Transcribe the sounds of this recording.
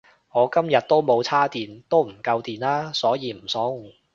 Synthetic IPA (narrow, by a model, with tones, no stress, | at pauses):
ŋɔː˨˧kɐ˥mjɐ˨t̚t̪o˥wmo˨˧wt͡sʰaː˥t̪iː˨nt̪o˥wm̩˨˩kɐ˧wt̪iː˨˩nlaː˥sɔː˨˥jiː˨˧m̩˨˩sɔː˨˥ŋ˨˩